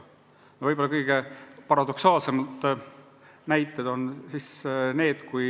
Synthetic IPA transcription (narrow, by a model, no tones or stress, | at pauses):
novɤjbo̞lːɑkɤjɡ̥e̞pɑɾɑd̪o̞ksɑːlse̞mɑt̪ːˑ | næjt̪ːˑed̪̥o̞nsisne̞ːd̪̥kuj